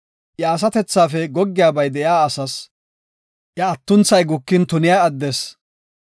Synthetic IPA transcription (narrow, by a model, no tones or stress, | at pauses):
ʔjɐːs̬ɐt̪ɛt͡sːaːfɛɡɔɡːɪjaːbɐjd̪ɛjaːɐsɐs | jɐɐt̪ːʊnt͡sːɐjɡʊkːɪnt̪ʊnɪjaːɐd̪ːes